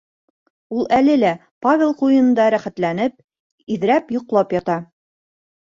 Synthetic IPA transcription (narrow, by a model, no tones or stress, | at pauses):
ulˠælɘlæ | pavʲelˠqujɤ̆nɤ̆nd̪ɑɾæχæt̪lænɘp̚ | iðɾæpjŏqlˠɑpjɒt̪ɑ